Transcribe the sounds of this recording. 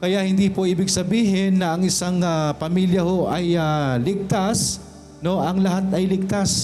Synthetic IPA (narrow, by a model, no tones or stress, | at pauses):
kɐjaʔhɪnd̪iːpoʔiːbɪɡsɐbiːɦɪnːɐʔɐŋʔɪsaŋapɐmiljɐho̞ʔɐjalɪɡ̚t̪as | no̞ʔɐŋlɐɦat̪ɐjlɪɡ̚t̪as